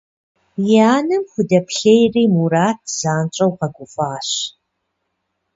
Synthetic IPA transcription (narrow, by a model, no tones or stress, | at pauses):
jaːnɨmxʷʊdɐpɬejriːmuɾaːt̚ʰz̥aːnt͡ʃʼɐwqɐɡʷʊfaːɕ